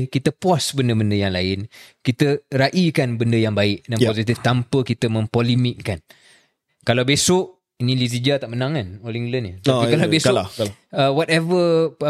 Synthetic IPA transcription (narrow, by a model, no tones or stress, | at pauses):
kit̪əpwasbəndəbəndəjaŋlaɪnkit̪əɾaʔikanbəndəjaŋbaɪʔ̚danpozit̪̬ift̪ampəkit̪əmə̃mpolimiʔkan | kalawbesʊʔ | inĩliz̬id͡ʒat̪aʔmənãŋanɔliŋɡlənət̪aikalawbesʊəwɔt̪ɛvə